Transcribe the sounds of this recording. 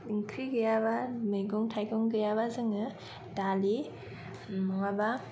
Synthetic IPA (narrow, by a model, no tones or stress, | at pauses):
ŋkʰɾiɡɯjabamɯjɡɔŋtʰajɡɔŋɡɯjaβazɯŋɯ | dali | mɔŋaba